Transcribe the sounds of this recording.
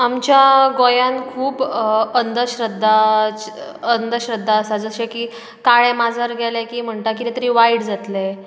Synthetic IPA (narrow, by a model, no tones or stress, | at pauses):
amt͡ɕjaɡojãnkʰuːbənd̪əɕɾəd̪ʱːa | ənd̪əɕɾəd̪ːaəsad͡zəɕekiː | kaɭẽmad͡zʱəɾɡʱɛlekiːm̤əɳʈ̪akit̪et̪əɾiːʋaiɽd͡zat̪le